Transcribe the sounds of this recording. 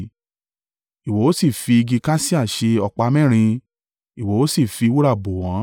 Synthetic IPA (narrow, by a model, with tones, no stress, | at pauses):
i˨wo˨˦o˦si˦˨fi˧i˧ɡi˧ka˦si˦a˦˨ʃe˧ɔ˧k͡pa˧mɛ̃˦˨ɾ̃ĩ˧ | i˨wo˨˦o˦si˦˨fi˧wu˦ɾa˦˨bo˨w̃ã˨˦